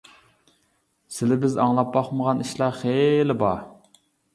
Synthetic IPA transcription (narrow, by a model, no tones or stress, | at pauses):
sɪlɪbɪzɑŋlˠɑp̚bɑχməʁɑniʃlˠɑχelɪbɑ